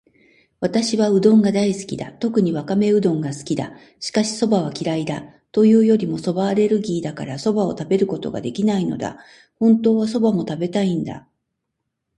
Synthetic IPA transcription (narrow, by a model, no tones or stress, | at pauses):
βat̪aɕiβaɯ̟d̪õ̞ŋɡad̪aisɨ̥kʲid̪a̰t̪o̞kɯ̟ɲ̟iβakame̞ɯ̟d̪õ̞ŋɡasɨ̥kʲid̪a̰ | ɕi̥kaɕi̥so̞baβ̞akʲiɾaid̪a | t̪o̞jɯ̟ːjo̞ɾʲimo̞so̞baɾe̞ɾɯ̟ɡʲiːd̪akaɾaso̞bao̞t̪abe̞ɾɯ̟ko̞t̪o̞̰ɡa̰d̪e̞kʲinaino̞̰d̪a̰ | hõ̞nt̪o̞ːβ̞as̬o̞bamo̞t̪abe̞t̪aĩnd̪a̰